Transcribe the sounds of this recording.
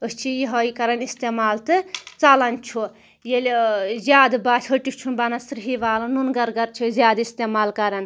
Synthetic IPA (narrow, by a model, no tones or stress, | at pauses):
əst͡ʃʰijiɦɐjkɐɾɐnist̪eːmaːlt̪ɨt͡salɐnt͡ʃʰu | jelzʲjaːd̪baːt͡ʃʰɦəʈikʰt͡ʃʰunbanasɾɦiʋaːlɐnunɡɐɾɡɐɾt͡ʃʰizjaːd̪ist̪emaːlkɐɾɐn